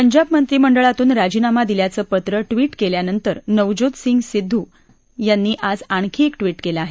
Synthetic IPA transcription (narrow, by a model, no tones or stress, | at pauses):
pəɲd͡ʑab̚mənt̪ɾiːməɳɖəɭat̪uːnɾad͡ʑiːnamad̪iljat͡səːpət̪ɾəʈʋiːʈkeljanənt̪əɾnəʋd͡ʑod̪siŋɡsid̪ʱːuː | janːiːʔad͡zaɳ̃kʰiːkʈʋiːʈkelaaɦe